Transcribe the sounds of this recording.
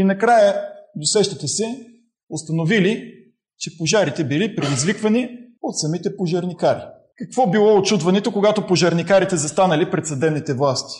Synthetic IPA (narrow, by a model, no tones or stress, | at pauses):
inɐkɾajəd̪osɛʃt̪ət̪ɛsɛ | ost̪ɐnovili | t͡ʃɛpoʒaɾit̪ɛbilipɾid̪izvikvɐniot̪sɐmit̪ɛpoʒəɾnikaɾi | kɐkvɔbilˠɔot͡ʃud̪vɐnɛt̪okoɡat̪opoʒɐɾnikaɾit̪ɛzɐst̪anəlipɾɛt̪sɐd̪ɛbnit̪ɛvlˠast̪i̥